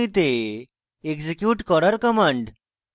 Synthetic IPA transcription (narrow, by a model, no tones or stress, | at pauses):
it̪e | ekd͡ʑekjuːʈkɔɾəɾkəmãɳɖ